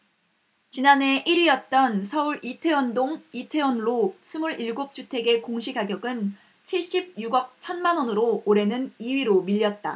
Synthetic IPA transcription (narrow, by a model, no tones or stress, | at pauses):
t͡ɕinane̞ʔiɾijʌt̚t͈ʌnsʰʌuɾitʰe̞wʌndoŋitʰe̞wʌnɾosʰumuɾiɭɡop̚t͡ɕ͈utʰe̞ɡe̞koŋɕʰikaɡjʌɡɯn | t͡ɕʰiɭɕ͈ib̚juɡʌk̚t͡ɕʰʌnmanwʌnɯɾoːɾe̞nɯniɥiɾomiʎːʌt̚t͈a̰